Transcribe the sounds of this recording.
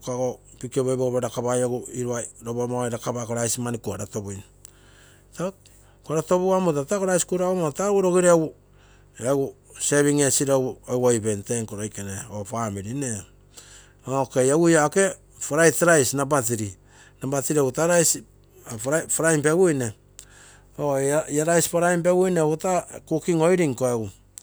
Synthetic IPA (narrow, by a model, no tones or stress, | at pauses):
kaɡopikioβojboɡoβeɾakaβajoɡuiɾuaɾoβomajɾakabakoɾajsimanikuaɾatobojn | ta | koaɾato̞βuamotatakoɾajsi̥kuɾaomotauɾo̞ɡiɾeawu | eaɡu | seβiŋesiɾowewajpenteŋkoɾojkeneopamiɾine | okejaɡujaoke̞ | paɾajtaɾajsnabatiɾi | nabatiɾiaɡutaɾajs | paɾajmpewujne | oiaɾajspaɾajmp̬eɡujneutakukiŋo̞jɾiŋkoeɡu